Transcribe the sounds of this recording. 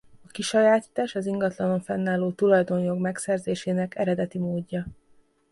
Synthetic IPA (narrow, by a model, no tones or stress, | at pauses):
ɒkiʃɒjaːt̪iːt̪aːʃɒziŋɡɒt̪lɒno̞ɱfɛnːaːloːt̪ulɒjd̪o̞njo̞ɡmɛksɛrzeːʃeːnɛkɛ̰ɾɛd̪ɛt̪imoːdːɒ